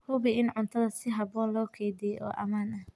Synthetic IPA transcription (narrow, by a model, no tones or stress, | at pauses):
hʊβɪɪnʕʊnt̪ʰɐðɐsɪɦɑβɔːnlɔːkʰɛjd̪ijɛjʔɔ̰ːʔɐ̰maːnɐh